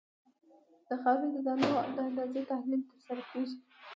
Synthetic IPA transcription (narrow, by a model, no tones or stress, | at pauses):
d̪̥əxɑɾund̪əd̪ɑnod̪əand̪ɑzet̪ahlilt̪əɾsaɾakʰeʒi